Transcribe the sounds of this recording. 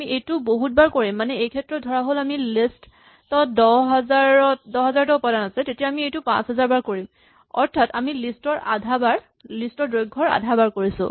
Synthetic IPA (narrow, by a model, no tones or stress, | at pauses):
amiʔejtuboɦut̚baɹkoɹimːanɛejkʰɛtɹɔt̚dʱɔɹaɦolamilest | tɔdɔɦazaɹɔtdɔɦɛzaɹtaupadanasɛtetijaːmiejtupã̰sɦɛzaɹbaɹkoɹim | ɔ̰ɹtʰatamilistɔɹa̰dʱabaɹ | listɔdɹojɡʱːɔɹa̰dʱabaɹkoɹisʊ̰̃